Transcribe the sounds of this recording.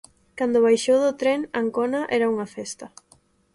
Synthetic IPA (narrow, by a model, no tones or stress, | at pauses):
kand̪ʊβ̞ajʃowðʊt̪ɾɛŋaŋkonɐʔɛɾɐuŋɐfɛst̪ɐ